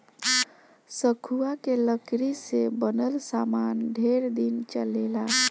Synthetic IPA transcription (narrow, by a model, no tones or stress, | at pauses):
səkʰuakeləkɾisebənəlsamanɖʱeɾd̪int͡ʃəlela